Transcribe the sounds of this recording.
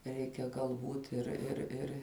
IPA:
ˈrʲɛɪkʲɛ ɡɐlˠˈbuːt ɪr ɪr ˈɪr

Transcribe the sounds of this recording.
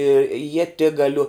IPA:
ɪ iɛˈtʲɪɡɐlʲʊ

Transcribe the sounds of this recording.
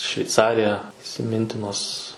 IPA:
ʃʲʋʲɛɪˈt͡sɑːrʲɪjɛ ɪsʲɪˈmʲɪnʲtʲɪnoːs

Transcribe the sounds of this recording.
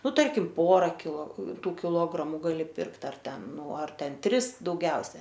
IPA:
ˈnʊ ˈtɐrʲkʲɪm ˈpoːrɐ kʲɪlˠoː ˈtuː kʲɪˈlˠoːɡrɐmʊ ɡɐˈlʲɪ ˈpʲɪrkt ɐr ˈtʲɛn ˈnʊ ɐr ˈtʲɛn ˈtʲrʲɪs dɐʊˈɡʲɛʊsʲɛ

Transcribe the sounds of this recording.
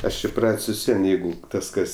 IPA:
ˈɐʃ ɪˈprɐtʲsʲ ʋʲɪs ˈʋʲiɛn ˈjɛɪɡʊ ˈtɐs ˈkɐs

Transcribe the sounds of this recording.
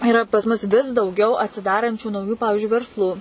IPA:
ɪˈrɐ pɐs ˈmʊs ʋʲɪs dɐʊˈɡʲɛʊ ɐtʲsʲɪˈdɑːrɐnʲt͡ʃʲuː nɐʊˈjuː ˈpɑːʋʲɪʒʲʊɪ ʋʲɛrsˈlˠuː

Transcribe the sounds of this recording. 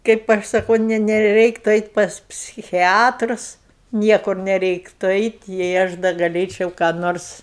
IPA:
kɐɪp ˈɐʃ sɐˈkɐʊ ˈnʲɛ nʲɛˈrʲɛɪktʊ ɛɪtʲ pɐs pʲsʲɪˈxʲæːtrʊs ˈnʲiɛkʊr nʲɛˈrʲɛɪktʊ ˈɛɪtʲ jɛɪ ˈɐʃ dɐ ɡɐˈlʲeːt͡ʃʲɛʊ kɑː ˈnoːrs

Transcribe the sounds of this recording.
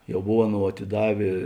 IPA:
jɛʊ ˈboːw ˈɑːˌnoːʊ ɐtʲɪˈdɑːʋʲeː

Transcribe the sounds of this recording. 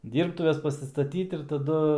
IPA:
ˈdʲiːrptʊʋʲɛs pɐsʲɪstɐˈtʲiːt ɪr tɐˈdʊ

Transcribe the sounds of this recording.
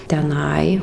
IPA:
tʲɛˈnɐɪ

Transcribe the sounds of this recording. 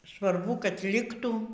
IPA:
sʋɐrˈbʊ kɐt ˈlʲɪktuː

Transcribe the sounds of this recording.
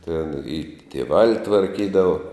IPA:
tʲɛn ɪ tʲiɛˈʋɑːlʲɪ tʋɐrʲˈkʲiːdɐʋoː

